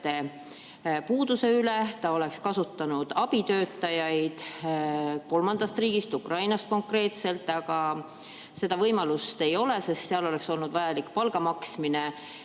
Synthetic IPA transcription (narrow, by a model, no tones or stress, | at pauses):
e | puːd̪̥use̞yle̞t̪ɑo̞le̞kskɑsut̪ːɑnud̪̥ɑb̥it̪ø̞ːt̪ːˑɑjɑjd̪̥ | ko̞lmɑnd̪̥ɑst̪riːɡ̥ist̪ukrɑjnɑst̪̚ko̞ŋkre̞ːt̪se̞lt̪ːˑɑɡ̥ɑ | se̞d̪̥ɑvɤjmɑlust̪e̞jo̞lese̞st̪seɑlo̞lekso̞lnud̪vɑjɑlikːpɑlɡ̥ɑmɑksmine